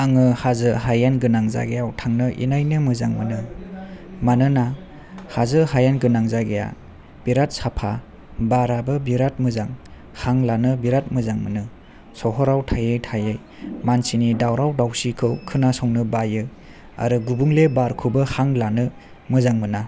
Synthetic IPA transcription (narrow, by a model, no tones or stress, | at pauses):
aŋɯhazɯɦajanɡɯnaŋza̰ɡejawtʰaŋnɯʔḭnajnɯmɯzaŋmɯnɯ | manɯna | hazɯɦajanɡɯnaŋzaɡeja̰ | b̥iɾat̚sapʰa | baɾabɯbiɾat̚mɯzaŋ | haŋlanɯbiɾat̚mɯzaŋmɯnɯ | sɔɦɔɾawtʰajɯjtʰajɯj | mansinidawɾawdawsikʰɯwkʰɯnasɔŋnɯbajɯ | a̰ɾɯɡubuŋlebaɾkʰubɯhaŋlanɯ | mɯzaŋmɯna